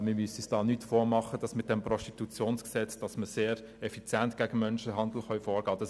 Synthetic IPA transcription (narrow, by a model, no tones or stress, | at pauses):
mɪmysisd̥ɑːnytfɔːmɑχəd̥ɑsmɪt̚d̥ɛmpɾɔstitut͡sjoːnsksɛt͡sd̥ɑsməseːɾ | ɛfit͡sjæntɡ̥æɡ̥əmœnʃəɦɑnd̪l̩χœɥfɔːɾɡ̥ɑːd̥ɑs